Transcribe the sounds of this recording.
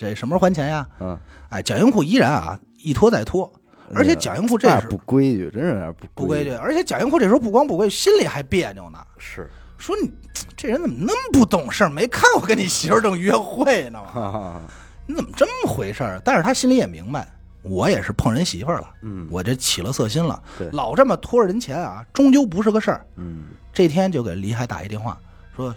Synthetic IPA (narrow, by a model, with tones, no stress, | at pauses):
e˥˩ʂə˧˥nmə˧˥xwa˧˥nt͡ɕʰjɛ˧˥nja˧a˥˩ɪt͡ɕjɑ˨˩ʊjʊ˥ŋxu˥˩i˥ɻa˧˥nɐ̰˨˩ | i˥˩t̪ʰwɔ˥t͡sa˥˩ɪt̪ʰwɔ˥ | ə˞˧˥t͡ɕʰɛ˧˥t͡ɕjɑ̰˨˩ʊjʊ˥ŋxu˥˧ʈ͡ʂe˥˧˩ʂu˥kwe˥ɪ̰˧˩ʈ͡ʂə˥nə˧˥a̰˧˥pu˥pu˥˧kwe˥ɪtɛ˧˩ə˞˧˥t͡ɕʰjɛ˧˥t͡ɕjɑ˨˩ʊjŋxu˥˧ʈ͡ʂʂpu˥˩kwɑ˥ŋp̬u˥˧kwe˥˧ɕi˥nli˨˩xa˧˥ɪpjɛ˥˩njʊ̰˧˩ŋnə̰˧˩˥ | ʂwɔ˥ni˨˩ | ʈ͡ʂɻə˧˥nt͡sə˨˩mə˧˦nə˧˥ŋmə˨pu˥˩t̪ʊ˨˩ŋʂə˞˥˧˩me˧˥ɪkʰa˥˩nwɔ˨˩kə˥ni˨˩ɕi˧˥ə˞˥˧˥ʈ͡ʂɤ˥˩ŋy˧˥ɥɛ˧˥nxwe˥˩ɪnə˩mə˨ | ni˧˥t͡sə˨˩mə˩ʈ͡ʂə˥nmə˨xwe˧˥ɪʂə̰˞˥˩t̪a˥˧nʂɻ̩˥˧˩t̪ʰa˥ɕi˥nli˧˥jɛ˨˩mḭ˧˥ŋba˧ɪ | wɔ˧˥jɛ˨˩ʂɻ̩˥˧pʰɤ˥˩ŋɻə˧˥nɕḭ˧˥fə˞˥˧˩lə̰˩wɔ˨˩t͡ɕt͡ɕʰi˨˩lə˧sɤ˥˩ɕi˥nlə̰˨˧lɑ˨˩ʊʈ͡ʂə˥˩mə˩t̪ʰwɔ˥˧ɻə˧˥nt͡ɕʰjɛ˧˥nɐ̰˧ʈ͡ʂʊ˥ŋt͡ɕjo˥ʊp̬u˧˥ʂɻ̩˥˧˩ɡə˧ʂə˞˥˩ | ʈ͡ʂɤ˥˩t̪ʰjɛ˥nt͡ɕjo˥˩ʊke˨˩ɪ˧li˧˥xa˥ɪt̪a̰˨˩i˧˥t̪jɛ˥˧nxwa̰˥˩ | ʂwɔ˥